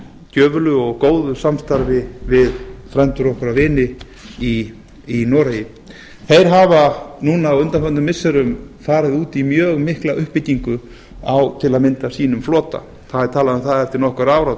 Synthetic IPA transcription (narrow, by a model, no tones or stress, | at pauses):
c̪œːvʏlʏɔɣkoːwðʏsamst̪aɾvɪvɪðfɾɛnt̪ʏɾɔhkʏɾavɪːnɪ | i | inɔːɾajɪ | θejɾ̥ɦavanuːnaːwʏnt̪afœnʏmːɪsːɛɾʏmfaːɾɪðuːt̪imjœːɣmɪhklaʔʏhpːɪciŋkʏ | awt̪ʰɪlaðmɪnt̪asiːnʏmflɔːt̪a̰ | θaðɛɾt̪ʰaːlaðʏmθaðɛft̪ɪɾnɔhkaɾaːwɾa